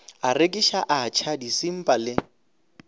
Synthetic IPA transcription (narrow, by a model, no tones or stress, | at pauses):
arekʼiʃaʔat͡ʃʰadisim̩pʼalɪ